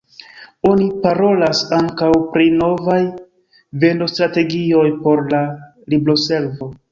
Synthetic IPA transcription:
o̞nipaɾo̞lasaŋkawpɾino̞vaj | ve̞ndo̞stɾate̞ɡio̞jpo̞ɾla | liblo̞se̞lvo̞

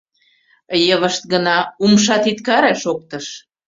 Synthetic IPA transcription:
jəβəʃt̪̚ɡənɑumʃ̬ɑt̪it̪kɑɾeʃok̚t̪əʃ

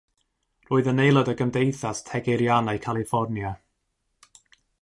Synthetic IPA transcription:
roːɨðənejlˠɔdəɡəmdejθastʰɛɡeɾjanajkʰalˠifɔrnja

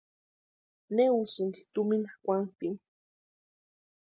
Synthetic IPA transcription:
neusiŋɡi̥t̪uminakʷant̪iŋ

